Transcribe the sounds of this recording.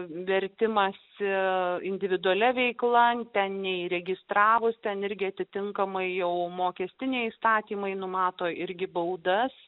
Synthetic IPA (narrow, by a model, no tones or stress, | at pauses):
ʋʲɛɾʲt̪ʲɪmɐsɪɪnʲd̪ʲɪʋʲɪd̪ʊɐlʲɛʋʲɛɪklˠɐt̪ʲɛnnʲɛiɾʲɛɡʲɪst̪ɾɑːʋʊst̪ʲɛnɪɾʲɡʲɪɐt̪ʲɪt̪ʲɪŋkɐmɐɪjɛʊmoːkʲɛsʲt̪ʲɪnʲɛɪist̪ɑːt̪ʲiːmɐɪnʊmɑːt̪oːɪɾʲɡʲɪbɐʊd̪ɐs